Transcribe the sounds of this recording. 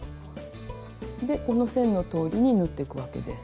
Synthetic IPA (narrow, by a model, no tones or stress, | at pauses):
d̪e̞ko̞no̞sẽ̞nːo̞t̪o̞ːɾʲiɲ̟inɯ̟t̪ːe̞kɯ̟βake̞̰d̪e̞s